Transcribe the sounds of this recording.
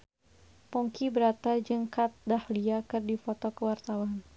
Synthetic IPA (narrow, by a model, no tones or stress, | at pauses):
pɔŋkibəɾat̪ad͡ʒəŋkat̪̚dahliakɨrdifɔt̪ɔkəwart̪awan